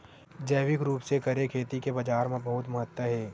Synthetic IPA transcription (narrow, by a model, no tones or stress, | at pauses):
d͡ʒɐːʋɪkɾuːpsekɐɾekʰeːt̪ikebɐd͡ʒaːɾmẽbɐɦʊt̪mɐɦət̪wəɦɛː